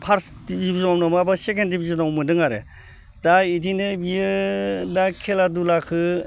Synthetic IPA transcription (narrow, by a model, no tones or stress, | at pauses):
pʰaɾs | bibizɔmnɯmabasekendibizɯnawmɯndɯŋaɾḛ | d̥aitinɯbijɯdakʰeladulakʰɯ